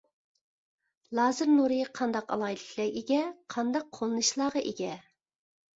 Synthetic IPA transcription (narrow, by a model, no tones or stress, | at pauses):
lˠɑːzɨɾnuɾɨqʰɑnd̪ɑqɑ̰lˠɑjid̪ɨkʰʲlɛeɡʲɛqʰɑnd̪ɑqʰːolˠɨnɨʃlˠɑːʁɑʔeɡʲɛ